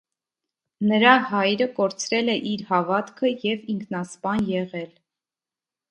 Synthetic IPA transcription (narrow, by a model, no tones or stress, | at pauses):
nəɾɑɦɑjɾəkɔɾt͡sʰɾɛlɛʔiɾhɑvɑt̪kʰəjɛviŋkʰnɑspɑnjɛʁɛl